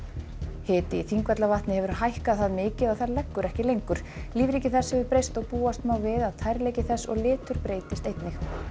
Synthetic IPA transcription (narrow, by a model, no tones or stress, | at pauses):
hɪːt̪ɪiθiŋkvɛt̪lavaht̪nɪhɛvʏɾ̥hajhkaðθaðmɪːcɪðaθaɾlɛkːʏɾɛhcɪlejŋkʏɾ̥liːvɾicɪθɛshɛvʏɾpɾejst̪ɔɣpuːast̪maːwvɪðaðt̪ʰajɾleːjcɪθɛsːɔ̰ɣlɪːt̪ʏɾ̥pɾeːjt̪ɪst̪ejt̪nɪx